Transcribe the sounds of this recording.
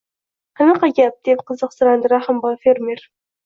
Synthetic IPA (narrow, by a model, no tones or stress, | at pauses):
qʰɑnɨqɑɡʲap̚d̪ep̚qʰəzəqsɨɾɑnd̪ɨɾɑχɨmbɑfeɾmeɾ